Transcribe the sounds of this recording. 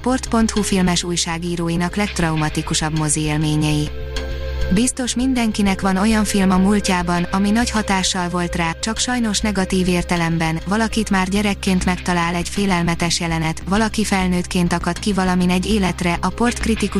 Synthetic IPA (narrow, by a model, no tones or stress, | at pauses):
po̞rt̪po̞nt̪hufilmɛʃuːjʃaːɡiːɾoːjinɒklɛk̚t̪rɒumɒt̪ikuʃɒbmo̞zieːlmeːɲɛji | bist̪o̞ʃmind̪ɛŋkinɛkʋɒno̞jɒɱfilmɒmulcaːbɒnɒminɒchɒt̪aːʃːɒlvo̞lt̪raːt͡ʃɒkʃɒjno̞ʃnɛɡɒt̪iːveːrt̪ɛlɛmbɛnvɒlɒkit̪maːrɟɛɾɛkːeːnt̪mɛkt̪ɒlaːlɛɟfeːlɛlmɛt̪ɛʃjɛlɛnɛt̪ʋɒlɒkifɛlnøːt̪keːnt̪ɒkɒt̪kivɒlɒminɛɟːeːlɛt̪rɛʔɒpo̞rt̪krit̪iku